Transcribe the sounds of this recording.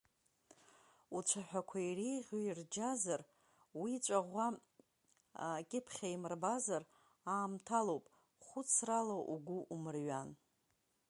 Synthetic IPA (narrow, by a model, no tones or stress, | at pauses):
ut͡ʃʷʰaħʷᶣakʷʰairejʁʲoird͡ʒazar | wit͡ʃʷʼaʁʷa | kʲʼɪpʰχʲaimɨrbazar | aːmtʰalowpʼ | χʷʊt͡sʰralaʔuɡʷʊʔumɨrɥan